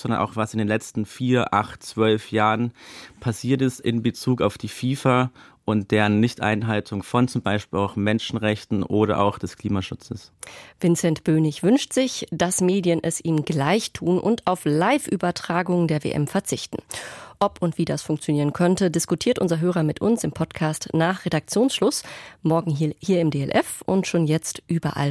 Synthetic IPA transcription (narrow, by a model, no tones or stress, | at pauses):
zɔndɐ̰nʔa̰ʊxv̥asɪndeːnlɛt͡stn̩fiːɐʔaχtt͡sv̥œlfjaːʁənpʰasiːɐtɪstɪ̰nbət͡suːkaʊfd̥iːfiːfaʔʊntd̥eːʁənːɪçtʔa̰ɪnɦaltʰʊŋfɔnt͡sʊmbaɪʃpiːlaʊxmɛnʃn̩ʁɛçtn̩ʔoːɾɐ̰ʔa̰ʊxd̥ɛskʰl̥iːmaʃʊt͡səsv̥ɪnt͡sɛntb̥øːnɪçvʏnʃtz̥ɪçd̥asmeːdjənʔɛsʔiːmɡlaɪçtʰuːnʔʊ̰ntaʊflaɪfʔyːbɐtʁ̥aːɡʊŋdeːɐvḛːʔɛ̰mfɛɐt͡sɪçtn̩ʔɔpʰʊntv̥iːdasfʊŋkt͡sjoniːʁ̞ənkʰœntədɪskutʰiːɐtʔʊnzɐɦøːʁ̞ɐmɪtʔʊ̰nsɪmpʰɔtkʰaːstnaːχʁ̥edak̚t͡sjoːnsʃlʊsmɔɐɡŋ̩hiːɐɪmdeɛlʔɛfʔʊ̰ntʃoːnjɛt͡stʔyːbɐ̰ʔa̰l